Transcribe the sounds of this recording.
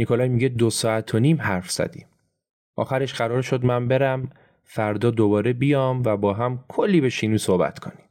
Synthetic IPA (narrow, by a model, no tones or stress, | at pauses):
nikʰolɒːjmiːɟed̪osɒːæt̪ʰoniːmɦæɾfz̥æ̰d̪ḭːm | ʔɒ̰ːxæɾe̞ʃɢæɾɒːɾʃo̞d̪mæmbe̞ɾæm | fæɾd̪ɒːd̪obɒːɾebijɒːmvæbɒːɦæmkʰolːiːbe̞ʃinuːsohbæ̰t̪ʰkʰo̞̰ni̥m